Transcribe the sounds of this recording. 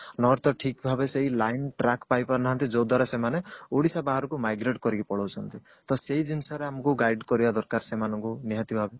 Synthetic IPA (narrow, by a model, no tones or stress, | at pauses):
nɔɾt̪ɔʈʰikbʱabeseɦilajnʈɾakpajpaɾnaɦant̪id͡ʒod̪ʱwaɾasemaneoɽisabaɦɔɾɔkumajɡɾeʈkɔɾikipɔɽɔwt͡ʃʰɔnt̪i | t̪ɔseɦid͡ʒinsɔɾeamɔkuɡajɖkɔɾibad̪ɔɾkaɾsemanɔŋkuniɦat̪ibʱabe